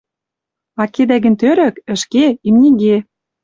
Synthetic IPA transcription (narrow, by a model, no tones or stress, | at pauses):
ɑked̪æɣɘ̆nt̪øɾə̆kə̆ʃkeimnʲiɣe